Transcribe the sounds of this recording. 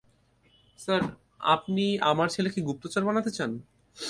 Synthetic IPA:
saɾ | a̰pniamaɾt͡ɕʰelekiɡup̚t̪ot͡ɕaɾbanat̪et͡ɕan

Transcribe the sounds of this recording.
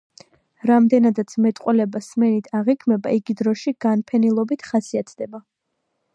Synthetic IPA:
ɾamd̪ɛnad̪at̪sʰmɛt̪ʼqʼwɛlɛbasmɛnit̪ʰaʁikʰmɛbaiɡid̪ɾɔʃiɡ̥anpʰɛnilˠɔbit̪ʰχasiat̪ʰd̪̥ɛba

